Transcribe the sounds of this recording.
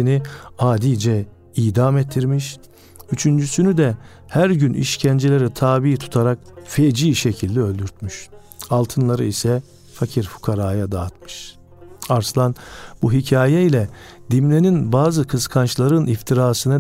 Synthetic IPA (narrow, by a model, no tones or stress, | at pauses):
iniaːd̪iːd͡ʒɛ | iːd̪amɛt̪ʰːiɾmiʃ | yt͡ʃʰynd͡ʒysynyd̪ɛ | hæɾɟynʔḭʃcʰænd͡ʒelʲe̞ɾit̪ʰaːbiːt̪ʰu̥t̪ʰaɾak̚fed͡ʒiːʃecʰilʲd̪iø̞lʲd̪yɾt̪myʃ | alˠt̪ʰɯnlˠaɾɯ̰isɛ | facʰiɾfu̥kʰaɾaːjad̪aːt̪mɯʃ | aɾslˠanbuɦicʰaːjɛilʲɛd̪imlʲeninbaːzɯkʰɯskʰant͡ʃlˠaɾɯnift̪ʰiɾaːsɯnɯ